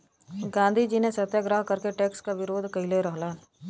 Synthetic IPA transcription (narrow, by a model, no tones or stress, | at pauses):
ɡãːnd̪ʱid͡ʒiːnesɐt̪jəɡɾaːɦkɐɾkeʈeːkskaʋɪɾoːd̪ʱkɐɪleɾəɦla